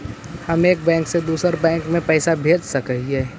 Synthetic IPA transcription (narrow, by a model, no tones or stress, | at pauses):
hɐmeːk̚bɛ̃ːŋksed̪uːsəɾbɛ̃ːŋkmẽpɛːsabʱeːd͡ʒsɐkəɦieː